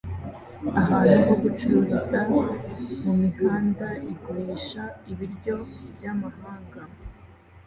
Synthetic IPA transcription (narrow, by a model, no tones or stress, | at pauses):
aɦaɾiɦoɡut͡ʃuɾuβiza | mumiɡaːndaʔiɡoɾeːʃaiβiɾɟo̞bjamahaːŋɡa